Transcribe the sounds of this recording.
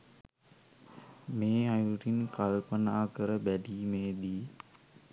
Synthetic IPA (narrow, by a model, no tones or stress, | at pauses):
meːajuʈinkalpənaːkəɾəbæɖiːmeːd̪iː